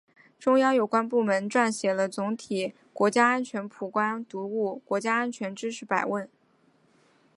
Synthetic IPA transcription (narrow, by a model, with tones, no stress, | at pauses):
ʈ͡ʂʊ˥ŋjɑ˥˩ʊjo˨˩ʊkwa˥np̬u˥˩mə˧˥nʈ͡ʂwa˥˩nɕjɛ˨˩lə˦t͡sʊ˧˥ŋt̪ʰi˨˩ | kwɔ˧˥t͡ɕja˥a˥nt͡ɕʰɥɛ˧˥npʰu˨˩kwa˥nt̪u˧˥u˥˩kwɔ˧˥t͡ɕja˥a˥nt͡ɕʰɥɛ˧˥nʈ͡ʂɻ̩˥ʂɻ̩˥˩pa˨˩ɪwə˥˩n